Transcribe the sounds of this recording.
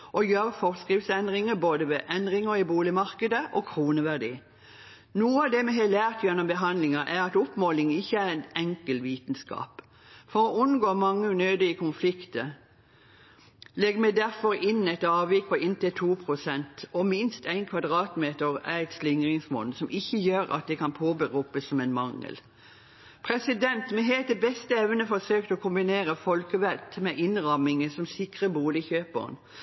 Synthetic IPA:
ʔɔjøːʁfɔʁskʁɪfsɛnd̪ʁɪŋəboːd̪əʋɛʔɛnd̪ʁɪŋəɪbuːlɪmɑʁkəd̪əʔɔkʰɾuːnəʋæʁd̪ḭː | nuːəɑʋd̪ɛmɛɦɛlæːʁt̪jɛnːɔmbəɦɑnd̪lɪŋɑʔæɾɑt̪ʊpmoːlɪŋɪçːəæʁænɛŋkəlʋiːt̪n̩skɑ̰ːp | fɔɾɔʉnɡoːmɑŋːənøːd̪əikʊnflɪkt̪ə | lɛɡmæɪd̪æʁfɔɾɪnːæɪt̪ɑːʋɪkpɔɪnt̪ət̪ʰuːpʰʁʊsɛnt̪ɔmɪnst̪æɪnkʰʋɑd̪ʁɑːt̪meːt̪əʁæɪt̪slɪŋʁɪŋsmɔ̰nsɔmʔɪçːəjøːɾɑ̰t̪̚d̪ɛkɑnpʰoːbəʁuːpəsːɔmɛnmɑŋːə̰l | pʰʁɛsɪd̪ɛnt̪mɛɦeːt̪ɛbɛst̪əɛʋnəfɔsøːk̚t̪ɔːkʰʊmbɪneːʁəfɔlkəʋælt̪mɛʔɪnʁɑmːɪŋəsɔmsɪkʁəbuːlɪçøːpə̰ʁ̰n

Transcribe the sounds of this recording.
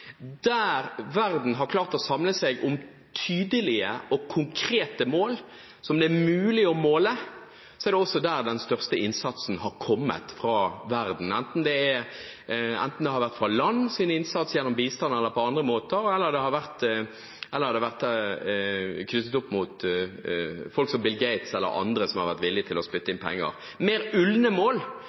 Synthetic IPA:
d̪æːɾʋæʁd̪n̩ɦɑɾkʰlɑːʁt̪ɔsɑmləsɛɡʊm | t̪ʰyːd̪əlɪəɔkʰʊŋkʰɾeːt̪əmoːl | sɔmd̪ɛæmʉʉːlɪɔmoːlə | sɔɛɾd̪ɛɔsːɔd̪æːʁd̪ɛnst̪œʁst̪əɪnsɑt̪sn̩hɑɾkʰɔmːə̰t̪fʁɑʋæʁd̪n̩ɛnt̪n̩d̪ɛæ | ɛ̰nt̪n̩d̪ɛhɑɾʋæʁt̪fʁɑlɑnːsiːnəɪnsɑt̪sjɛnːɔmbiːst̪ɑnəɛlːəɾpʰɔɑnd̪ʁəmoːt̪əɾɛlːəʁd̪ɛhɑɾʋæʁt̪ | ʔɛlːəʁhɑd̪ɛʋæʁt̪ | kʰnʏt̪ːət̪ʊpːmʊt̪ | fɔlksɔmbɪlɡɛɪt̪sɛlːə̰ɾɑ̰nd̪ɾəsɔmhɑɾʋæʁt̪ʋɪlːɪət̪ʰɪlɔspʏt̪ːəɪnpʰɛ̰ŋːə̰ʁ | meːɾʉlnəmoːl

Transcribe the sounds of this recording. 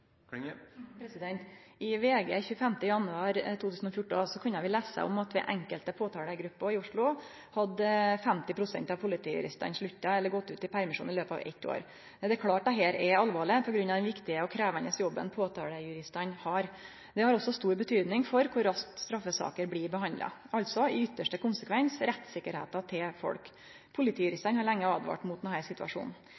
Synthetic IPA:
pɾɛsɪd̪ɛnt̪ɪʋeːɡḛːçʉːəfɛmt̪əjɑnʉɑːɾt̪ʰuːt̪ʉːsən̩ɔfjʊʈːsɔkʰʉnːəʋɪlæːsə̰ɔ̰mɑt̪ʋɛ̰ʔɛŋkəlt̪əpʰoːt̪ʰɑːɽəɡɾʉpːɔɪʊʂɭʊ | hɑd̪fɛmt̪ɪpʰɾʊsɛnt̪ɑʋpʰʊlɪt̪ʰiːjʉ̰ɾɪ̰st̪ə̰nʂɭʉt̪ːɑɛlːəɾɡɔt̪ːʉːt̪ɪpʰæɾmɪʂṵːnɪløːpɑ̰ʋɛ̰t̪ːo̰ːɾ | ɛd̪ɛɾkʰlɑːʈ̚d̪ɑt̪ɦeːɾɛɑlʋɑːɭɪpʰɔɡɾʉnːɑʋd̪ɛnʋɪkt̪ɪəɔkʰɾæːʋənəsjɔbːə̰npʰoːt̪ʰɑːləjʉɾɪst̪ɑnhɑɾ | d̪ɛhɑɾɔsːɔst̪uːɾbət̪ʰyːd̪nɪŋfɔɾkʰʊɾɑst̪st̪ɾɑfːəsɑ̰ːkəɾbliːɾbəhɑnd̪lɑ̰ɑlt̪sɔɪʏt̪ːəʂʈəkʊnsəkʰʋɛnsɾɛt̪ːsɪkːəɾhḛːt̪ɑt̪ʰɪlfɔ̰lk | pʰʊlɪt̪iːjʉɾɪst̪ənhɑɾɭɛŋːəɑːd̪ʋɑ̰ːʈmʊt̪d̪nhæɪɾsɪt̪ʋɑ̰ʂṵːnn̩

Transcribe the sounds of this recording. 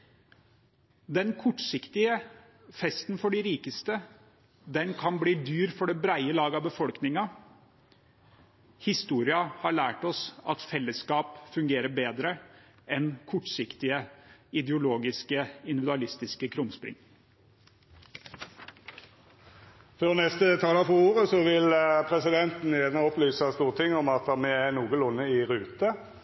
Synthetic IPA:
d̪ɛnkʰɔʈːsɪkt̪ɪə | fɛst̪nfɔɖɪɾiːkəst̪ə | d̪ɛnkʰɑnbliːd̪yːɾfɔɖɛbɾæɪəlɑːɡɑbəfɔlknɪŋɑ | hɪst̪uːɾɪɑhɑɭæːʈɔsɑt̪fɛlːəskɑːpfʉŋɡeːɾəbeːd̪ɾə | ɛnkʰɔʈːsɪkt̪ɪəɪd̪ɛʊloːɡɪskəɪnd̪ɪʋd̪ʉɑlɪst̪ɪskəkʰɾʊmspɾɪ̰ŋ | føʁnɛst̪ət̪ʰɑːlɑfɔuːʁəsɔʋɪlpʰʁɛsɪd̪ɛnt̪n̩jænəɔplyːsəst̪uːʁt̪ʰɪŋɔmɑt̪mɛænuːɡəlʊnːəɪʁʉːt̪ə

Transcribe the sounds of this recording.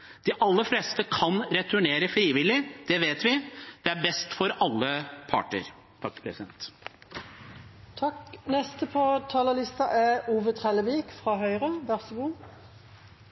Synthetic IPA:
d̪̥iʔɑlːəfleːst̪əkʰɑnɾɛt̪ʰʉɳeːɾəfɾiːʋɪlɪd̪̥ɛʋeːt̪ʋɪd̪̥ɛæɾbɛst̪fɔɾɑlːəpʰɑ̰ːʈə̰ɾ | t̪ʰɑkːəpʰɾɛsɪd̪ɛ̰nt̪ | t̪ʰɑknɛst̪əpʰɔt̪ʰɑːləlɪst̪ɑʔɛuːʋət̪ʰʁɛləʋiːkfʁɑːɦœʏʁəʋæʁsəʋuː

